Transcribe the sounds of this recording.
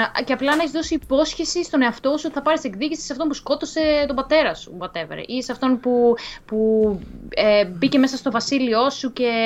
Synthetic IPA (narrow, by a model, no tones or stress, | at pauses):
ceɐplɐnɐeçizðo̞siːpo̞sçesist̪one̞ɐft̪osuot̪iθɐpɐɾisekðicisi̥sɐft̪o̞npusko̞t̪o̞se̞t̪obɐt̪e̞ɾɐsu̥bɐt̪e̞vḛɾḛʔiseɐft̪o̞npupu | ebicemesɐst̪o̞vɐsilio̞suce̞